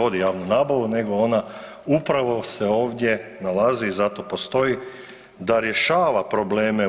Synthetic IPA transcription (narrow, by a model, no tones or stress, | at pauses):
o̞d̪ijaːʋnunaːbaʋune̞ɡo̞o̞na | upɾaʋo̞seo̞ːʋd̪jenalaziːzat̪o̞po̞st̪o̞i | d̪aɾje̞ʃaːʋapɾo̞bleːme